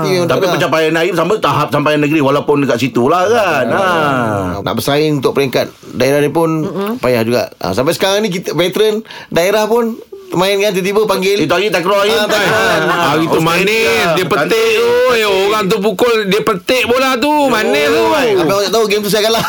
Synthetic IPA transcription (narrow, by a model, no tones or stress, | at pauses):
it̪apipət͡ʃapajanaimsamat̪aɦap̚sampajanəɡɾiwalapʊndəkaʔsit̪ulahkana | nʔa̰ʔbəsaɪŋunt̪ʊk̚pəɾiŋkat̪̚ | daeɾahdiəpʊnpajahd͡ʒuɡa̰ʔa̰samp̬ajsə̥kaɾaŋnĩk̬it̪əvɛt̪əɾən | daeɾahpʊnt̪əmaɪnkant̪ət̪̬ibəpaŋɡɪlit̪uaɡit̪akɾoait̪aaɣit̪umanɛdiəpəeʔ̪uoɣaŋt̪̬ubukʊldiəpət̪ɪʔbolat̪umanəapaoaʔt̪aɦuɡemt̪usakala